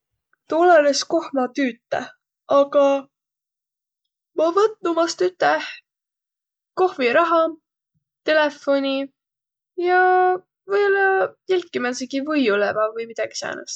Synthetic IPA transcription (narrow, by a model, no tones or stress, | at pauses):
t̪olelesko̞hmɑt̪yːt̪ːe | ɑɡɑ | mɑvɤt̪numɑst̪yt̪ːˑeh | ko̞hviɾɑɦɑ | t̪e̞le̞fo̞nʲi | jɑ | vɤjolːɑilʲkːimænseɡivɤjulemɑvɤjmid̪̥ɑɡ̥i̥sæ̰ːnɑ̰s